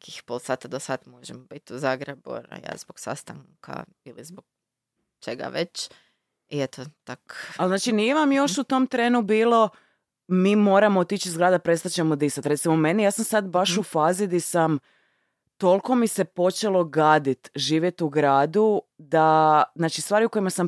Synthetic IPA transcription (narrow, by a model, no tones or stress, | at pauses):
nekixpolˠsaːt̪ad̪osat̪moʒemobit̪uzaːɡɾebṵn̰ja̰zboɡ̥sa̰st̪aŋkʰa̰ | ilizboɡ̥̚ | t͡ʃeɡa̰ʋet͡ʃ | iet̪ʰot̪akalznaːt͡ʃinije̞ʋamjo̞ʃut̪o̞mt̪ɾeːnubiːlo̞ | miːmo̞ːɾamot̪it͡ʃizɡɾaːd̪apɾest̪at͡ɕemod̪isat̪ɾe̞t̪simomenijaːsamsad̪baʃufaːzid̪isam | t̪o̞lko̞mise̞po̞t͡ʃelo̞ɡaːd̪it̪ʒiːʋjet̪uɡɾaːd̪u | d̪aznaːt͡ʃist̪ʋaːɾiuko̞imasam